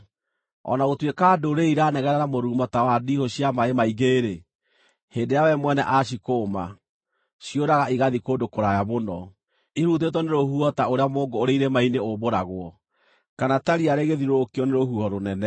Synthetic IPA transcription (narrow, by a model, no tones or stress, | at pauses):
ɔ̰naɣotwekaːdoɾeiɾanɛɣɛɾɛɾamoɾuːmɔtawadihɔɕiamaemaiɣeːɾe | heːndejawɛmwɛnɛʔaʃ̬ikoːma | ɕioɾaɣaiɣaðikoːdokoɾajamonɔ | iɾut̬etɔneɾohuɔtaoɾeamoːŋɡoːɾeiɾemaineoβoɾaɣwɔ | kanataɾiaɾeɣeðiɾokiɔneɾohuhɔɾonɛnɛ